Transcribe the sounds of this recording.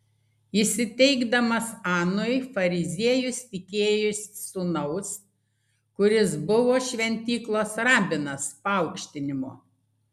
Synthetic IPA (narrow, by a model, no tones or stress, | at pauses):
isʲɪt̪ʲɛɪɡd̪ɐmɐsɑːnʊɪfɐɾʲɪzʲiɛjʊst̪ʲɪkʲeːjʊsʲːʊnɐʊs | kʊɾʲɪsbʊʋoːʃʲʋʲɛnʲt̪ʲiːklˠoːsɾɑːbʲɪnɐspɐɐʊkʃʲt̪ʲɪnʲɪmo̰ː